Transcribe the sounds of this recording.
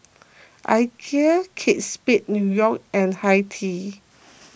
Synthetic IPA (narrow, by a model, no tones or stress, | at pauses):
ʔa̰jkʰiəkʰet̚spit̚njujɔkɛ̃nhajtʰi